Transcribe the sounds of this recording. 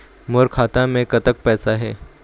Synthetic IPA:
moɾkʰat̪ãmẽkət̪ək̚pɛsaɦe

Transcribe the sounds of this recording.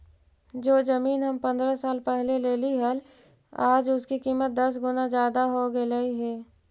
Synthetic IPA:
d͡ʒoːzɐmiːnɦɐmpɐ̃nd̪ɾasaːlpɛɦleleːliɦəl | aːd͡ʒʊskikiːmət̪̚d̪ɐs̬ɡʊnazjaːd̪aɦoɡelaiɦɛː

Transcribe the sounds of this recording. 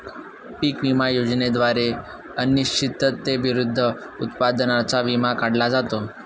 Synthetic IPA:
piːkʋimajod͡zned̪ʋaɾe | əniɕt͡ɕʰit̪ːət̪ːeʋiɾud̪ʱːə | ut̪pad̪nat͡saʋimakaɽlad͡zat̪o

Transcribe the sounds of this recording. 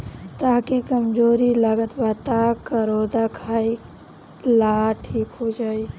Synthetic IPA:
t̪aːkekəmd͡ʒoːɾilaɡət̪bət̪akəɾoːd̪akʰaːi | laːʈʰiːkɦod͡ʒaːi

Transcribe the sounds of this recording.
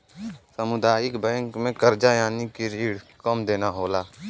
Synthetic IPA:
səmʊd̪aːjɪkbɛ̃ːŋkmẽkəɾd͡ʒajaːnikiɾiːɽkəmd̪eːnaɦoːlaː

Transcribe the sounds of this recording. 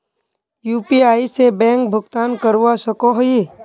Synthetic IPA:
juːpiaːisebɛ̃ːŋk̚bʱʊɡt̪aːnkəɾuwasəkoɦi

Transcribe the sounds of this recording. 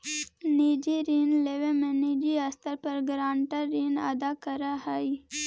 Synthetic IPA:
niːd͡ʒiɾiːnleʋemẽniːd͡ʒiəst̪əɾpəɾɡɾãːɳʈəɾiːnə̰d̪akəɾahai

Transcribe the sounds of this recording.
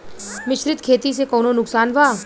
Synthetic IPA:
mɪʃɾɪt̪kʰeːt̪isekɔːnonʊksaːnʋaː

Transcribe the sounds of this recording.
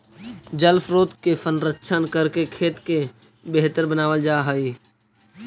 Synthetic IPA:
d͡ʒəlfɾoːt̪kesənɾəkʃʰənkəɾkekʰeːt̪ke | beɦt̪əɾbənaːʋəld͡ʒaːɦəiː

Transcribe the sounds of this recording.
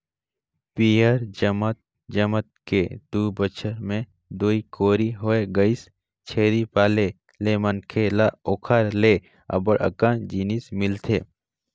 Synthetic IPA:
piəɾd͡ʒəmət̪̚ | d͡ʒəmət̪̚ked̪̥uːbət͡ʃʰəɾmẽ | d̪uːikoːɾiɦoːeɡəis | t͡ʃʰeːɾipaːle | lemənkʰelaoːkʰaːɾle | ɐ̰bəɽə̰kand͡ʒiːnismɪlt̪ʰeː

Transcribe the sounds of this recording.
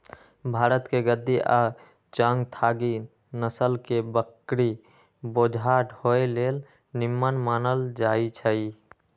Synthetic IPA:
bʱaɾət̪keɡəd̪ːiʔa̰ | t͡ʃə̃ŋɡt̪ʰaɡi | nəsəlkebəkɾi | bod͡ʒʱaʈhoelel | nimːənmanəld͡ʒait͡ʃʰəi

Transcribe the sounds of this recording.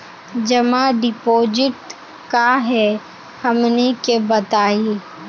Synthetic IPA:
d͡ʒɐmaɖɪpoːd͡ʒɪʈ | kaɦɛ | hɐmnekebɐt̪aːi

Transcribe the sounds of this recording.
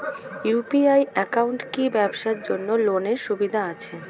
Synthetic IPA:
jupiajɛkawɳʈkibɛbʃaɾd͡ʑonːoloneɾʃubid̪ʱaat͡ɕʰe

